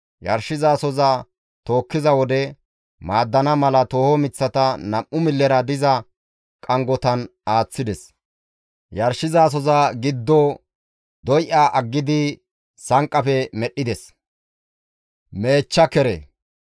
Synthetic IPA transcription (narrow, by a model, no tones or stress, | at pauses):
jɐ̰ɾʃɪzaːsɔza | t̪o̞ːkːɪzɐwɔd̪ɛ | maːd̪ːɐnɐmɐlɐt̪o̞ːhɔmɪt͡sːɐt̪ɐnɐmʔʊmɪlːɛɾɐd̪ɪzɐ | kʼɐŋɡɔt̪ɐnaːt͡sːɪd̪ɛs | jɐɾʃɪzaːs̬ɔzaɡɪd̪ːɔ | d̪ɔjʔaːʔɐɡːɪd̪ɪ | sɐŋkʼːɐfɛmɛɗːɪd̪ɛs | me̞ːt͡ʃːɐkɛɾɛ̰